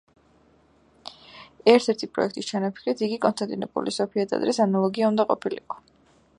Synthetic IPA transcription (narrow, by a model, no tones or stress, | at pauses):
ɛɾt̪ʰɛɾt̪ʰipʼɾɔ̰ɛ̰k̚ʰt̪ʼist͡ʃʰanapʰi̥kʰɾit̪iɡikʼɔnst̪ʰʼant̪ʼiɾɛbṵlisɔpʰiad̪a̰d̪ɾɛsanalˠɔɡiaund̪aqʼɔpʰilḭqʼɔ̥